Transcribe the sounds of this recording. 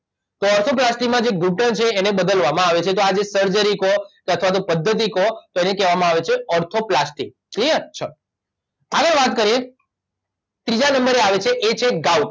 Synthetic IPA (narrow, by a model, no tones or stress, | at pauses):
t̪oɔɾt̪ʰoplasʈikmãd͡ʒeɡuʈənt͡ʃʰeːnebəd̪əlʋamãaʋet͡ʃʰet̪oad͡ʒesəɾd͡ʒəɾikokeət̪ʰʋat̪opəd̪ʱːət̪̬ikot̪oenekɛʋamãaʋet͡ʃʰeɔɾt̪ʰoplasʈik | kit͡ʃʰa | aɡəɾʋat̪kəɾie | t̪ɾid͡ʒanəmbəɾeaʋet͡ʃʰeʔet͡ʃʰeɡauʈ